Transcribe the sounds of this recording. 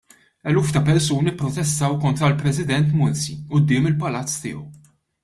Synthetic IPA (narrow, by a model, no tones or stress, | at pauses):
ɛluːft̪ɐpɛɾsuːnipːɾɔt̪ɛst̪ɐwkɔnt̪ɾɐlpɾɛsɪd̪ɛnt̪mʊnsiʊd̪ːɪːmɪlpɐlɐt͡sːt̪ɪ̰ːɔ̰w